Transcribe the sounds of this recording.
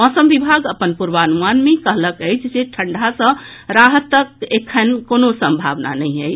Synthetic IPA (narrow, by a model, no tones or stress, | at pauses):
ɔsəmʋibʱaɡəpənpuɾbəənumanmekəɦləkəjt͡ʃʰd͡ʒeʈʰəɳɖʱasə̃ | ɾaɦət̪ək̚ekʰːənkonosə̃mbʱa̰ʋna̰nəjɦəj